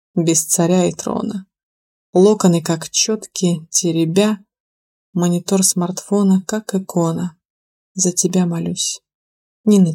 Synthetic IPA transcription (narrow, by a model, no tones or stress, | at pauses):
bʲɪst̪sɐɾʲaɪt̪ɾo̰nə | lˠo̞kənɨkakt͡ɕo̞t̪kʲɪtʲɪɾʲɪbʲa | mənʲɪt̪o̞rsmɐrt̪fo̞nəkakɨkʰo̞nə | zətʲɪbʲamɐlʲusʲ | nʲɪnə